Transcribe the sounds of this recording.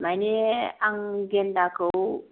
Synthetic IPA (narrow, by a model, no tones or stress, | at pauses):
maneaŋɡendakəu